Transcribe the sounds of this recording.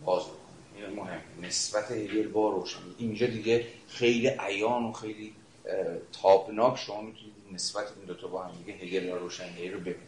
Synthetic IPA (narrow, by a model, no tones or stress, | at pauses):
bɒːzbokʰoniinmoɦe̞mːenesbæt̪ʰehedelbɒɾoːʃæneʔind͡ʒɒːd̪iɡe | xejliːʔæjɒːnoxe̞jliː | t̪ʰɒːbnɒːkʰʃomɒːmit̪ʰunid̪ne̞sbæt̪ʰeind̪ot̪ʰɒbɒːhæmd̪iɡʲeɦeɡelbɒɾoːʃænɡeiɾobe̞bini